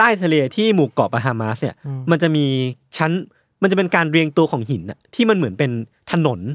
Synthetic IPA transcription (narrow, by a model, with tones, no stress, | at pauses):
t̪aː˥˩jt̪ʰa˧leː˧t̪ʰiː˥˩muː˨˩kɔː˨˩p̚ʔa˧ɦaː˧maː˦˥sni˧˥ɐma˧nt͡ɕa˨˩ʔmiː˧t͡ɕʰa˦˥n | ma˧nt͡ɕa˨˩pe˧nkaː˧nɾi˧əŋt̪u˧ɐkʰɔː˩˦ŋɦi˨˩˦nʔa̰˨˩t̪ʰiː˥˩ma˧nmɯ˩˦ənpe˧n | t̪ʰa˧no˩˦n